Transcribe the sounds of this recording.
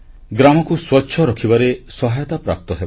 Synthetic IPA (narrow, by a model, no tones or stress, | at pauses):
ɡɾamɔkuswɔtːʃʰɔɾɔkʰibaɾesɔɦajɔt̪apɾa̰p̚t̪ɔɦeb